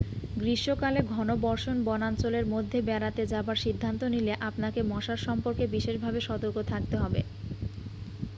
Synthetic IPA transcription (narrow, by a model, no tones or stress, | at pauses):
ɡɾiʃːokaleɡʱɔnobɔɾʃonbɔnant͡ɕoleɾmod̪ʱːebɛɾat̪ed͡ʑabaɾʃid̪ʱːant̪onileʔapnakemɔʃaɾʃɔmpoɾkebiʃeʃbʱabeʃɔt̪oɾkot̪ʰak̚t̪eɦɔbe